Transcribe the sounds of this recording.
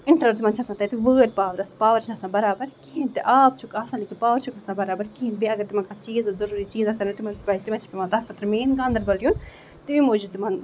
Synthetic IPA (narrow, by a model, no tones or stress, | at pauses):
ɪɳʈɾɐɾt̪ɪmãːnt͡ʃʰɐsãːt̪ɐt̪iʋəːɾpaːʋɐɾɐspaːʋɐɾt͡ʃʰiasãːbɐɾaːbɐɾkiĩnt̪iʔaːp̚t͡ʃʰukaːsãːlikʰipaːʋɐɾt͡ʃʰukɐsãːbɐɾaːbɐɾkĩnbiɐɡɐɾt̪ɪmãkat͡ʃiːzzɐɾuːɾit͡ʃiːzɐsɐnɐt̪imãbaːt̪imãt͡ʃʰi̥pimãːt̪ɐkɐt̪ɾmeːnɡãːnd̪ɐɾbɐljuːn | t̪iʋimoːd͡ʒut̪imãːn